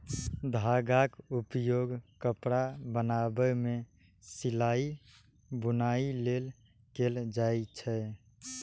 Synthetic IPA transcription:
d̪ʱaɡakupjoɡkəpɽabənabəmẽ | silai | bʊnailel | keld͡ʒait͡ʃʰɛ

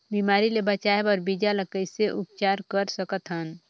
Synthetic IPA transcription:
bimaːɾilebət͡ʃaːebəɾbid͡ʒaləkəjseʔʊp̚t͡ʃaːɾkəɾsəkət̪ɦən

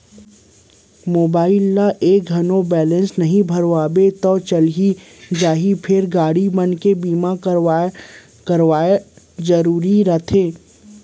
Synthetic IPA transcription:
moːbaːɪlːaʔeːk̚ɡʱɐnõbɛːlə̃nsnɐɦĩbʱɐɾwaːbet̪ɔːt͡ʃəlɦi | d͡ʒaːɦipʰɪɾɡaːɽibɐnkebiːma | kəɾwaːe | zəɾuːɾiɾət̪ʰeː

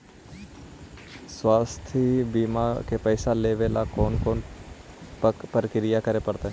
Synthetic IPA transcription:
swaːst̪ʰibiːmakepɛːsaleːʋelakoːnkoːn | pəɾəkɾɪjakəɾepəɾt̪aɦɛ

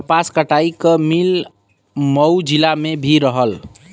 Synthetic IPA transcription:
paskəʈaikəmil | məwd͡ʒilamebʱiɾəɦəl

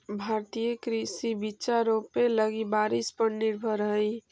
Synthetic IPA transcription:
bʱaɾt̪ijəkɾisibit͡ʃaɾopːeləɡibaɾispəɾniɾbʱəɾɦəj

